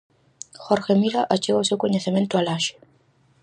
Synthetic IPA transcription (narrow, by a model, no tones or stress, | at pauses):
xoɾxemiɾaʔat͡ʃeɣawsewkoɲeθemẽnt̪ʊalaʃe̥